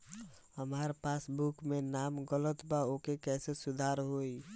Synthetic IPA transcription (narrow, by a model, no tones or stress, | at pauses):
ɦəmaɾpasbukmenamɡələt̪baokekɛsesud̪ʱaɾɦoi